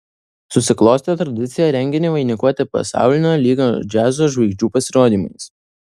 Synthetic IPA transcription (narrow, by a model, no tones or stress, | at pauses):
sʊsʲɪklˠoːsʲt̪ʲet̪ɾɐd̪ʲɪt̪sʲɪjɛɾʲɛŋʲɡʲɪnʲeːʋɐɪnʲɪkuɔt̪ʲɪpɐ̰sɑ̰ˑʊlʲɪnʲoːlʲiːɡoːd͡ʒʲæːzoːʒʋɐɪɡʲd͡ʒʲuːpɐsʲɪɾoːd̪ʲiːmɐɪs